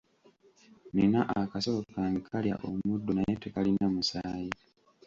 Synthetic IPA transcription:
ninaʔakasookaŋɡekʰalja̰ʔomudːonajetekalinamusaːji

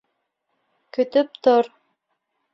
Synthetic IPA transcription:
kɵ̆t̪ɵp̚t̪oɾ

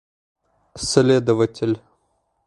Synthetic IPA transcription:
slʲed̪əvətʲɪlʲ

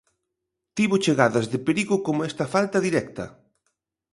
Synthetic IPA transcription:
t̪iβʊt͡ʃeɣaðɐzðɪpeɾiɣʊkomʊɛst̪ɐfalt̪ɐðiɾɛk̚t̪ɐ̰

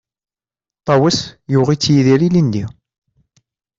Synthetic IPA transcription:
t̪ˤːɑwəsjuʁit͡sːjiðiɾilind̪i

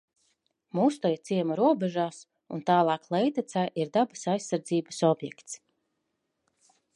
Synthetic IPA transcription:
muːst̪ajit̪siɛmaɾuɔbɛʒaːs | ṵnt̪aːlˠɑːklˠɛjt̪at̪sajʔiɾd̪abasajsːaɾd̪ziːbəsɔbjɛ̰kt̪s

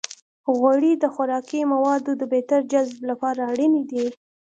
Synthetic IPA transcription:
ɣwaɽid̪əxʊɾɑkimawɑd̪od̪əbet̪aɾd͡ʒazblapɑɾaːɽənid̪i

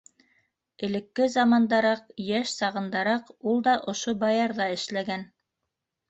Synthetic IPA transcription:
ɘ̆lɘ̆kːɘzɑmɑnd̪ɑɾɑqjæʃsɑʁɤ̆nd̪ɑɾɑqulˠd̪ɑʔŏʃobɑjɑɾðɑɘ̆ʃlæɡæn

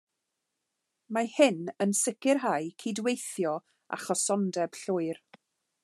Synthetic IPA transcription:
mahɪnənsɪkɪrɦaɨkʰiːdwejθjɔ | a̰χɔsɔndɛb̥ɬʊɨr

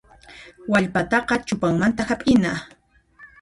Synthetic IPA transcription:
waʎpat̪ɑqɑt͡ʃʊpaŋmant̪ahapʼɪna

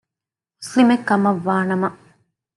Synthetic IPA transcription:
muslimekːɐmɐʋːaːnɐmɐ

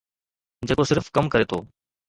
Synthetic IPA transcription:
d͡ʑeːkosɪɾfkɐmkɐɾet̪ʰo̰ː

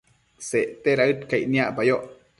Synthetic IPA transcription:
seʔt̪eɾaɨt̪kainiaʔpajoʔ

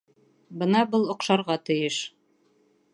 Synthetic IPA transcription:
bɤnɑbɤlˠŏqʃɑɾʁɑt̪ɤ̆jɤʃ

